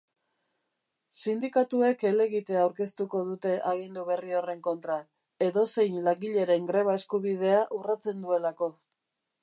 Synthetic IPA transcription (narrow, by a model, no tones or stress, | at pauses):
sind̪ikat̪ue̞ke̞le̞ɣit̪e̞awɾke̞st̪uko̞ðut̪e̞ʔaɣind̪uβ̞e̞rio̞re̞ŋko̞nt̪ɾa | e̞ðo̞se̞jnlaŋɡiʎe̞ɾe̞ŋɡɾe̞β̞ae̞skuβið̞e̞aʔurat͡se̞nd̪ue̞lako̞